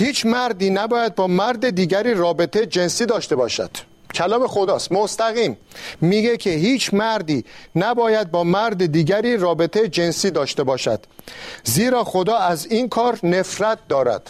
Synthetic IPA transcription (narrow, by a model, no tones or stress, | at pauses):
hiːt͡ʃʰmæɾd̪iːnæbɒːjæd̪̚bɒːmæɾd̪ed̪iːɟæɾiːrɒːbe̞t̪ʰejed͡ʒe̞nsiːd̪ɒːʃt̪e̞bɒːʃæ̰d̪̥ | kʰælɒːme̞xo̞d̪ɒːst̪most̪æɣiːmː | iːɡe̞cʰehiːt͡ʃʰmæɾd̪iːnæbɒːjæd̪̚bɒːmæɾd̪ed̪iːɟæɾiːrɒːbe̞t̪ʰejed͡ʒensiːd̪ɒːʃt̪e̞bɒːʃæ̰d̪̥ziːɾɒːxod̪ɒːæziːnkʰɒːɾne̞fɾæt̪̚d̪ɒːɾæ̰d̪̥